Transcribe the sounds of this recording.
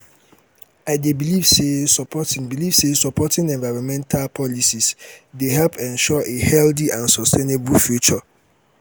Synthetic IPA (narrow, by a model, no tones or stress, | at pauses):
aɪdebilivsesɔpʰɔtʰɪ̃ŋbilivsesɔpʰɔtɪ̃ŋɛ̃nvaɹɔ̃nmɛ̃ntʰalpʰɔlisisdehɛlpʰɛ̃nʃɔʔehɛldiʔãnsɔstʰenebufjut͡ʃɔ